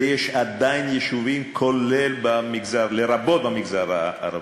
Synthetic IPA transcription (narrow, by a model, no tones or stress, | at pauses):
jeʃad̪ajinjeʃuvimkʰolelbamiɡzaʁleɾabo̞t̪̚bamiɡzaɾaa̰ɾa̰